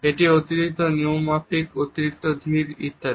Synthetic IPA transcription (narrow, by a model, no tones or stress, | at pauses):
eʈiot̪iɾit̪oniumapikot̪iɾik̚t̪od̪ʱiɾḭt̪ːa